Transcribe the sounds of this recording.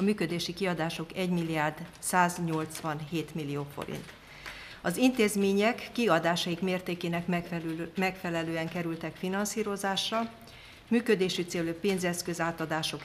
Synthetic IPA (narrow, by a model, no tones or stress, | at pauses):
ɒmyːkø̞d̪eːʃikiɒd̪aːʃo̞kɛɟmilːiaːrd̪ | saːzɲo̞lt̪sʋɒnɦeːt̪milːioːfo̰ɾḭnt̪ | ɒzint̪eːzmeːɲɛkːiɒd̪aːʃɒjikmeːrt̪eːkeːnɛk | mɛkfɛlɛløːɛŋkɛɾylt̪ɛkfinɒnsiːɾo̞zaːʃrɒ | myːkød̪eːʃyt̪seːløpeːnzɛskø̞zaːt̪ɒd̪aːʃo̞k